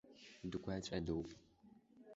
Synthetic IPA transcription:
dɨkʷʰaːt͡ʃʼɐdow

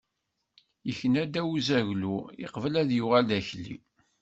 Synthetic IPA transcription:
jəçənæd̪æuzæʝluḭqvəlæðjʊʁalːæçlːḭ

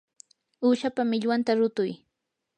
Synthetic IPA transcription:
uːʃapamɪʎwant̪aɾʊt̪ʊj

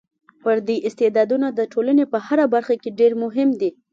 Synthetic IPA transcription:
pəɾd̪eʔɪst̪ed̪ɑd̪unad̪əʈʰolanepəhaɾabaɾxakeɖeɾmʊɦɪmd̪i

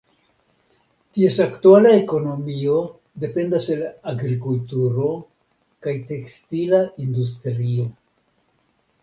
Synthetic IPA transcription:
tie̞saktualae̞ko̞no̞mio̞ | de̞pe̞ndase̞laɡɾikultuɾo̞ | kajte̞kstilaʔindus̬tɾio̞

